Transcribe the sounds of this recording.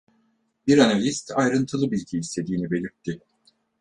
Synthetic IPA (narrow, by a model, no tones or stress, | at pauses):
biɾanalʲist̪ajɾɯnt̪ʰɯlˠɯbilʲɟiːst̪ʰe̞d̪iːnibe̞lʲiɾt̪ʰːɪ